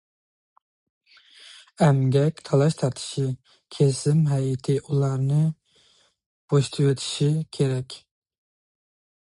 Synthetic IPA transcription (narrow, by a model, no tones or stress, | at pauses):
ɛmɡʲɛkʲt̪ʰɑlˠɑʃt̪ʰɑɾt̪ʰɨ̥ʃi | kʲʰesɪmɦɛjɪt̪ʰɪʔulˠɑɾnɨ | b̥oʃt̪ʰɨwet̪ʰɪ̥ʃikʲʰeɾɛkʲ